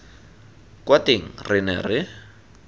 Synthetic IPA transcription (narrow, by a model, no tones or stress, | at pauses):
kwateŋ̩rɪnɛ̰rɪ